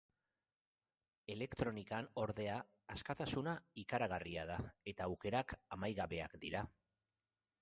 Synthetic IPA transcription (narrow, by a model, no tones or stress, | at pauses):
e̞le̞kt̪ɾo̞nikano̞ɾðe̞aː | skat̪asunaikaɾaɣ̞ariað̞ae̞t̪aːwke̞ɾakamajɣaβe̞akd̪iɾa